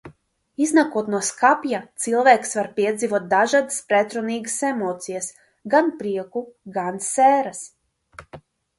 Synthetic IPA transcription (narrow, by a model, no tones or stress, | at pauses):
iznakot̪noskapjat̪silˠʋeːksʋaɾpied̪ziʋot̪̚d̪aʒad̪spɾet̪ɾoniːɡsemoːt̪sijas | ɡanpɾiɛkuɡanseːɾas